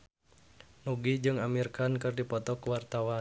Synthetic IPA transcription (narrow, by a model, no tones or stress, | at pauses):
nuɡid͡ʒɨŋamirkankɨrdipɔt̪ɔkwart̪awa